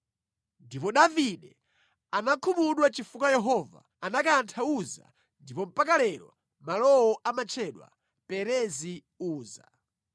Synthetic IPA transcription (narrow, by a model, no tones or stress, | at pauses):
ndipɔɗaviɗɛ | anakʰumuɗwat͡ʃifukajɛɦɔva̰ | anakantʰauza̰ | ndipɔm̩pakalɛɾɔ̰ | malɔwɔʔamat͡ʃʰɛɗwa̰ | pɛɾɛzi | uːza̰